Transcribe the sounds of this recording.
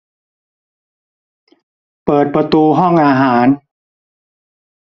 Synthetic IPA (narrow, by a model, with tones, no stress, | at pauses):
pɤː˨˩t̪̚pɾa˧t̪uː˧ɦɔ˥˩ŋʔaː˧ɦaː˩˦n